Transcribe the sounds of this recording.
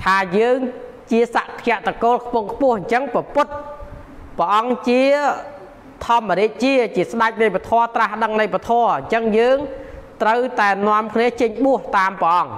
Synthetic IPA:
t̪ʰaːjəːŋ | t͡ɕiəsaʔt̪ʰɛ̆əʔt̪akoːlkʰpʊŋkʰpʊ̆əhɲt͡ɕəŋpɔpʊt̪̚ | pə̆ʔɑŋt͡ɕiə | t̪ʰɔəmːəɾiəʔ̪̚t͡ɕiət͡ɕiəsɗac̚nəjpat̪ʰɔət̪rahɗəŋləjpat̪ʰɔəɲt͡ɕəŋjəːŋt̪rəwt̪aɛnŏəmkʰniət͡ɕəɲɓuəht̪aːmpə̆ʔɑŋ

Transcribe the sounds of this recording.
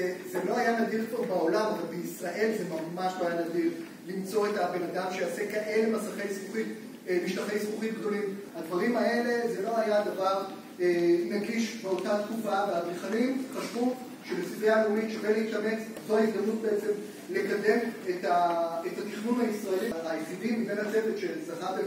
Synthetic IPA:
ezelo̞ajanadiʁtobao̞lamavalbeisʁaʔe̞lze̞mamaʃlo̞ajanadiʁ | limt͡so̞e̞tabe̞nad̪amʃejase̞kaʔe̞le̞masaχe̞jsmuχit | miʃtaχe̞jsχuχit̚ɡd̪o̞limhadvaʁimae̞le̞ze̞lo̞ajad̪avaʁ | enaɡiʃbe̞o̞tat̪kufaveabeχanimχaʃvu | ʃebesibiameulit̪ʃebeleitkane̞t͡s | zoaizd̪amnut̪̚be̞et͡se̞m | le̞kad̪e̞metaetat̪iχnunaisʁae̞liajeχidimibenhat͡se̞vetʃe̞zaχave

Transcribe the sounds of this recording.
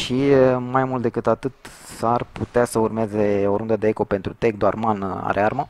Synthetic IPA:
ʃimajmult̪̚d̪e̞kɨt̪at̪ɨt̪ | sarput̪easəurmeze̞o̞ɾund̪əd̪e̞eko̞pe̞nt̪ɾut̪e̞k̚d̪oarmana̰ɾearma

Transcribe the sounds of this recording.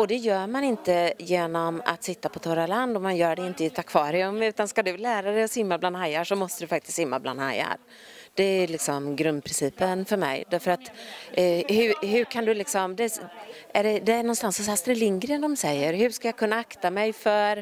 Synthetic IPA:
ɔd̪ɛjœːɾmanɪnt̪əjeːnɔma̰t̪sɪt̪ːapʰɔt̪ʰɔɾaland̪ɔmanjœːɖɛɪnt̪əɪt̪akʰvɑːɾɪɵmːʉ̟ːt̪anskad̪ɵlæːɾad̪ɛjɔsʏmːabland̪hajaʂɔmɔst̪əd̪ɵfak̚t̪ɪ̥st̪sɪmːa̰bla̰nd̪ha̰ja̰ɾ | d̪̥ɛælɪksɔmɡɾɵnd̪̚pʰɾɪnsiːpənfœɾmɛ̰jd̪æɾfœɾat̪ | hɵɦɵkʰand̪ɵlɪksɔmd̪ɛʔæɖɛd̪ɛnɔnst̪ansːɔsast̪ɾɛlɪŋɡɾɪənd̪ɔmsɛjːəɾɦɵ̟ʂkajakʰɵnːaakt̪amɛjfœɾ

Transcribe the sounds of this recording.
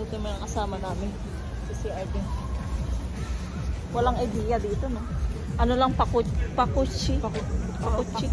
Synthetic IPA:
ɐt̪ɐmɐnɐŋkɐsaːmɐnaːmɪn | sisiʔɐd̪i | wɐlaŋɐjd̪iːjɐd̪iːt̪onoʔɐnolɐŋpɐkupɐkut͡ʃːɪpɐot͡ʃt͡ʃɪ

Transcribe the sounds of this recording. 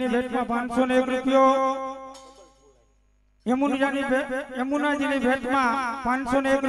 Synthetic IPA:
ibʱeʈ̪mãpãnsonekɾupjo | emunnebʱeemunad͡ʒinebʱeʈ̪mãpãnsonek

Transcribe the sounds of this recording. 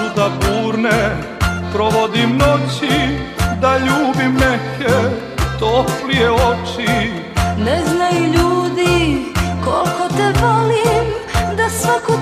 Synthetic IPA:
ud̪abuːɾne | pɾoʋod̪imnot͡ɕid̪aʎuːbimneke | t̪oplijeot͡ʃi | nɛznajuʎuːd̪ikolkot̪ɛbolimd̪asʋaku

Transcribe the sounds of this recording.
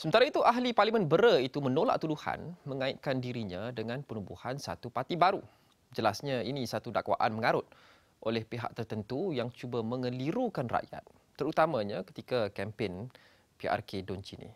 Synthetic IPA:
səmənt̪aɾait̪uʔaɦliparlimə̃nbəɾəit̪umənola̰ʔ̚t̪uduha̰nmə̃ŋãɪt̪̚kandiɾiɲãdəŋãnpənubuhansa̰t̪upat̪ibaɾu | d͡ʒəlasɲainisat̪udakwa̰ʔa̰nməŋaɾʊt̪̚ | ʔolɛhpeɦa̰ʔ̚t̪ərt̪ənt̪ujaŋt͡ʃubamə̃ŋəliɾukanra̰ʔja̰t̪̚ːəɾut̪amãɲãkə̥t̪ikakɛmpen | piʔa̰rkedɔnt͡ʃinḭ

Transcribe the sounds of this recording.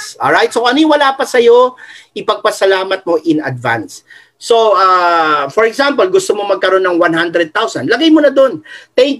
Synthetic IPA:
ʔolɹajt̪̚soʔɐniwɐlaːpɐsɐjo̞ʔɪpɐɡ̚pɐsɐlaːmɐt̪̚mo̞ʔɪnɐ̰d̪̚va̰nsː | oafɔɹɛɡsãmpɐlɡʊst̪omomɐɡ̚kɐɾo̞nːɐŋwanɦand̪ɾɛd̪̚t̪awsɐ̰nlɐɡajmonɐd̪o̞nt̪ɛ

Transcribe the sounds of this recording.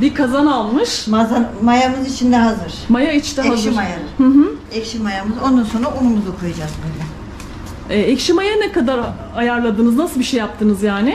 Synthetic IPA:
bikʰazanalˠmɯʃmazamajamɯzit͡ʃʰind̪ɛɦazɯɾ̥majait͡ʃʰt̪ɛazɾajahɯ̃ɦɯ | ɛcʃimajamɯzo̞nd̪anso̞nɾaʔumumuzukʰojad͡ʒazbølʲɛ | ɛːɛcʃimajanɛkad̪aɾ | ajaɾlˠad̪ɯːnɯznasɯlˠbiʃejːap̚t̪ʰɯnɯzjaːnɪ

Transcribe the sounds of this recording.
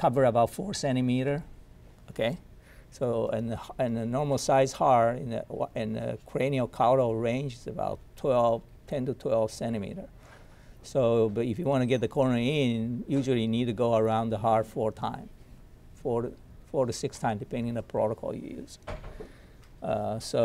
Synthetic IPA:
kʰʌvə˞əbaʊtfɔɹsɛ̃ɾ̃ɨmiɾə˞ | okʰeɪ | soʊə̃nɨ̃nɨnɔɹml̩ˠsaɪz̥hɑɹɪ̃nɨ̃nɨ̰kʰɹ̥ẽɪniəkʰaʊɾoɹẽɪ̃nd͡ʒɨzɨba̰ʊtʰwɛlˠv̥ | tʰɛ̃ntɨtʰw̥ɛlˠv̥sɛ̃ɾ̃ɨmḭɾə˞ | soʊbʌɾɨfjɨwɑ̃ntɨɡɛt̪̚ðɨkʰɔɹnə˞ɪ̃njʉʒl̩ˠinid̚tɨɡoʊə˞ãʊ̃nðəɦɑɹfɔɹtʰã̰ɪ̃m | fɔ | fɔɹɾɨsɪkstʰãɪ̃mdɨpʰɛ̃ndɪ̃ŋ̃nðəpʰɹ̥ɔ̰ɾəkʰɔ̰lˠjɨ̰jʉ̰z̥ | ʌso

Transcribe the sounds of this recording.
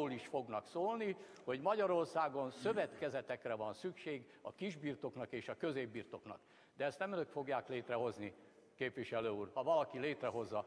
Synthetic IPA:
liʃfo̞ɡnɒksoːlni | ho̞ɟmɒɟɒɾo̞rsaːɡo̞nsø̞vɛt̪kɛzɛt̪ɛkrɛvɒnsykʃeːɡ | ɒkiʒbiːrt̪o̞knɒkeːʃɒkøzeːbːiːrt̪o̞knɒ̰k | d̪ɛɛst̪nɛmøløk̪fo̞ɡjaːkleːt̪rɛɦo̞zni | keːpʋiʃɛløːuːrhɒvɒlɒkileːt̪rɛɦo̞zːɒ

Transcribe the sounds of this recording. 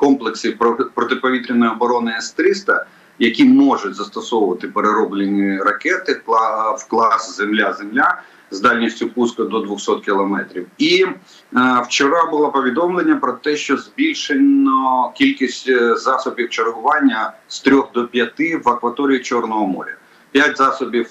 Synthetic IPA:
kɔmplˠeksɪpɾɔt̪ɪpɔʋʲit̪ɾʲɪnɔjɔbɔɾɔnɪɛst̪ɾɪst̪ɐ̰ | jɐkʲimɔʒʊt̚ʲzɐst̪ɔsɔwʊʋɐt̪ɪpeɾeɾɔblʲenʲːiɾɐkɛt̪ɪwklˠɑszemlʲazemlʲa | zd̪ɑlʲnʲisʲtʲʊpuskɐd̪ɔd̪ʋʊxsɔt̪kʲɪlˠɔmɛt̪ɾʲiwi | wt͡ʃɔɾɑbʊlˠapɔʋʲid̪ɔmlˠenʲːɐpɾɔt̪ɛʃt͡ʃɔzbʲilʲʃenʲɔkʲilʲkʲisʲtʲzɑsɔbʲiwt͡ʃerɦʊʋɑnʲːɐst̪ɾʲɔɣd̪ɔpʲjɐt̪ɪʋɐkʋɐt̪ɔɾʲiit͡ʃɔrnɔɦɔmɔ̰ɾʲɐ̰ | pʲjatʲzɑsɔbʲiw

